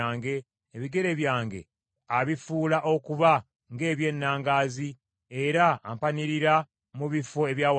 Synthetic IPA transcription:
aːŋɡe̞ː | βiɡe̞ɾe̞βjaːŋɡe̞̰ | aβifuːlaʔo̞kuβa | ŋɡe̞ːβje̞nːaːŋɡaːzi | e̞ɾa̰ːmpaniɾiɾa | muβifo̞e̞βjaːw

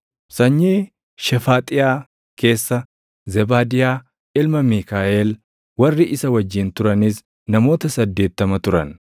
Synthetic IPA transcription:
sɐɲːiː | ʃɛfaːt̪ʼɪjaː | ke̞ːsːɐ | zɛbaːd̪ɪjaː | ɪlmɐmiːkaːʔeːl | wɐrːɪʔɪsɐwɐd͡ʒːɪnt̪ʊɾɐnɪs | nɐmo̞ːt̪ɐsɐd̪ːe̞ːt̪ːɐmɐt̪ʊɾɐn

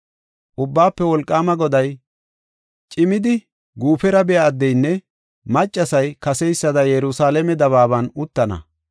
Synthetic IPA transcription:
ʔʊbːaːpːɛwɔlkʼːaːmɐɡɔd̪ɐj | t͡ʃʼɪmɪd̪ɪ | ɡuːfɛɾɐbɛjaːd̪ːɛjnːɛ | mɐt͡ʃʼːɐsɐjkɐsɛjsːɐd̪ɐjɛɾʊsaːlɛmɛd̪ɐβaːbɐnʊt̪ːɐnɐ̰

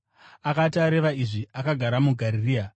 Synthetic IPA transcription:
akataɾe̞ʋaiʐiakaɡʱaɾamuɡʱaɾiria

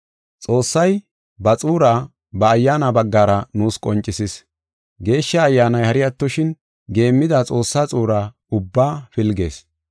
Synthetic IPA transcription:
t͡sʼo̞ːsːɐj | bɐt͡sʼuːɾaː | bɐːjːaːnɐbɐɡːaːɾɐnuːskʼɔnt͡ʃʼːɪsɪs | ɡe̞ːʃːɐːjːaːnɐjhɐɾɪjɐt̪ːɔʃɪn | ɡe̞ːmːɪd̪ɐt͡sʼo̞ːsːaːt͡sʼuːɾaː | ʊbːaːfɪlɡḛːs

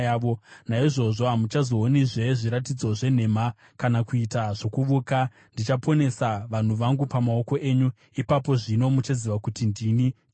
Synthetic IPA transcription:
aːʋonaiʐo̞ʐo̞ɦamut͡ʃazo̞ːniʐe̞ʐiɾatid͡zo̞ʐe̞n̤e̞ma | kanakuitaʐo̞kuʋuːka | ndit͡ʃapʰo̞ne̞saʋan̤uʋaŋɡupamao̞ko̞ʔe̞ːɲu | ipapo̞ʐino̞mut͡ʃaziʋakutindini

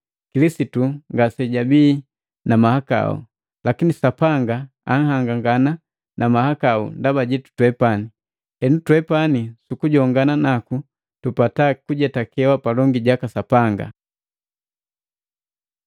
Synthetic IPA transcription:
kilisituŋɡasɛɟabiː | namahaka̰ṵ | lakinisapaŋɡa | a̰ŋ̩haŋɡaŋɡana | nʔamahakaṵndabaɟɛtu̥twɛpani | hɛnutwɛpanisukuɟɔŋɡananaku | tupatakuɟɛtakɛwapalɔŋɡiɟakasapaŋɡa̰

